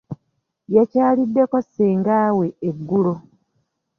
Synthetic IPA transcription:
jacaːlidːe̞koseːŋɡaːwe̞ːɡːulo̞

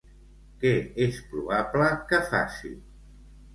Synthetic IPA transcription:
kɛespɾuβapləkəfa̰sḭ

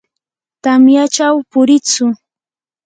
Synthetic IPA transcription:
t̪amjat͡ʃawpʊɾɪt͡sʊ

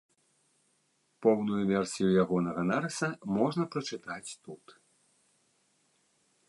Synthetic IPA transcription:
pɔwnujuvʲɛrsʲijujaɣɔnɐɣɐnaɾɐsɐmɔʐnɐpɾɐt͡ʂɨt̪at͡sʲt̪ut̪

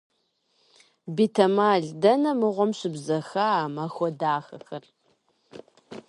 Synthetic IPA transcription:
biːtʰɐmaːɮdɐnɐmɨʁʷɔmɕɪbzɐxɐaːmɐxʷɔdaːxɐ̰xɐr

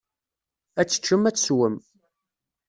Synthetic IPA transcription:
æt͡sːə̥t͡ʃːəmæt͡sːswəm

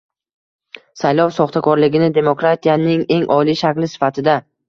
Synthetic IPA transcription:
sajlɒwsɒχt̪ʰakʰɒɾlɪɡʲɪnɪd̪e̞mokɾat̪ʰijanɪŋe̞ŋʔɒliʃakʲlɪsɪ̥fat̪ʰɪd̪a

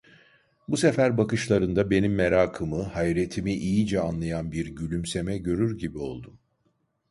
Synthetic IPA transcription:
buse̞fæɾbakɯʃlˠaɾɯnd̪abe̞nimːeɾaːkʰɯmɯhajɾe̞t̪ʰimiʔijid͡ʒɛanlˠajanbiɾɟylʲymse̞mɛɟø̞ɾyɾɟibio̞̰lˠd̪um

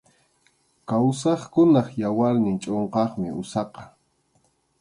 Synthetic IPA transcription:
kaws̬ɑχkʊnɑχjawaɾnɪnt͡ʃʼoɴqɑχmɪʊsɑqɑ̥

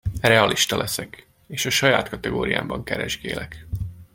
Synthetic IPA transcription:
rɛɒlʔiʃt̪ɒlʔɛsɛk | eːʃɒʃɒjaːt̪kɒt̪ɛɡoːɾija̰ːmbɒŋkɛɾɛʒɡḛːlʔɛk

